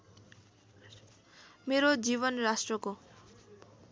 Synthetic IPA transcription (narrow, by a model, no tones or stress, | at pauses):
meɾod͡ziβʌnrasʈrʌko